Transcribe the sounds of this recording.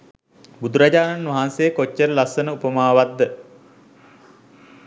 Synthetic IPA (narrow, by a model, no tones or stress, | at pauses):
bud̪uɾad͡ʑaːnanʋaɦaːnsejːkot͡ʃːəɾəlasənəupəmaːʋad̪ːə